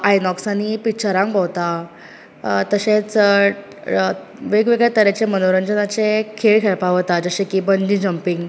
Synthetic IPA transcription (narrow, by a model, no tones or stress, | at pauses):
ajnɔksanipit͡ɕəɾãŋkbaʋt̪a | t̪əɕẽt͡s | ʋeɡʋeɡɭɛt̪əɾet͡ɕemənoɾəɲd͡ʑənat͡sekʰeɭkʰeɭpaʋt̪ad͡zəɕẽkibənd͡ʑĩd͡ʑəmpiŋɡ